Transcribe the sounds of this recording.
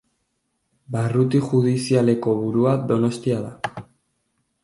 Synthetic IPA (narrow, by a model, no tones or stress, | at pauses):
barut̪iʝuðisiale̞ko̞βuɾuad̪o̞no̞st̪iaða